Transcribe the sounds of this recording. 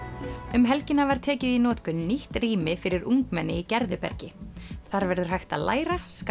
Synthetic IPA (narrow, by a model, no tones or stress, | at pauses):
ʏmɦɛlcɪnːavaɾ̥t̪ʰɛːcɪðinɔːt̪kʏniht̪riːmɪfɪɾɪɾuŋkmɛnːɪicɛɾðʏpɛ̰ɾcɪθaɾvɛɾðʏɾ̥ɦajxt̪aðla̰ːjɾask